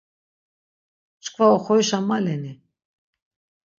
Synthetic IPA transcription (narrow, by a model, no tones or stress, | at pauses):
t͡ʃkʰvaɔχɔjʃamalɛni